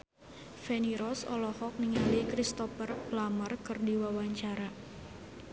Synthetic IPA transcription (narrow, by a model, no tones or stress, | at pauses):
feniɾɔsɔ̰lɔhɔk̚niŋalikɾist̪ɔfərblamərkɨrdiwawaɲt͡ʃaɾa